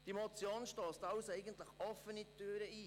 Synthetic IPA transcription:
d̥imot͡sjoːnʃtoːstɑwsɛɪɡəntləχɔffːənitøːɾəiː

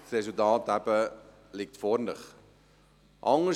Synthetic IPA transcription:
resəltɑːtæpə | lik̚tfɔrndəχ | ʔɐŋ

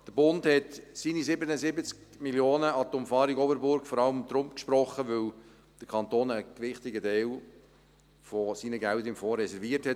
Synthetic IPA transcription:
d̥əɾbʊndhɛtsiːnisɪbənəzɪbət͡skmiljoːnəɑt̪ɔmfɑːɾiɡɔbəɾbʊɾɡfɔɾɑləmd̥̪ɾʊmkʃpɾɔχːəʋɵl | d̥əɾkʰɑnt̪oːnəkʋɪχt̪ɪɡədeːl | fosiːnəɡæləɪmfoːrːɛsɛɾviːəɾthɛt

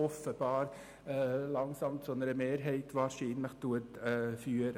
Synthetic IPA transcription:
ɔfəb̥ɑːɾ | lɑŋsɑmtsonəɾəmeːɾɦɛɪtʋɑːɾʃiːnləχtuətːfyːəɾ

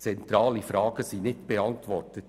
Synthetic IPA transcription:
t͡sɛntɾɑːlifɾɑːɡ̥əsiːnɪtb̥eɑntʋɔrtət

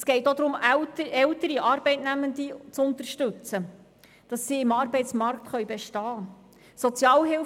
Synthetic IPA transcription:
sɡ̥ɛɪt̪od̪ɾʊmtɛlt̪əɾiʔɑːɾbɛɪtnæmənd̪it͡sʊnt̪əɾʃtɵt͡sə | d̥ɑsːiɪmɑːɾbɛjtt͡smɑɾkt̪χœʏjbeʃtɑː | sɔt͡sjɑːlɦɪl

